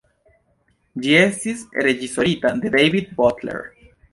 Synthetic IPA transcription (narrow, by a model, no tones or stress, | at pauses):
d͡ʒiesisreʝisoɾit̪ad̪eðejβid̪̚bot̪lḛɾ